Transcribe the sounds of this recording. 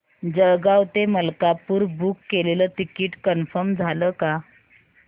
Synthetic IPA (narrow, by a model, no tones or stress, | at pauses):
d͡ʑəɡawt̪eməlkapuːɾbukːeleləːt̪ikiʈkənfəɾmd͡zʱaləːka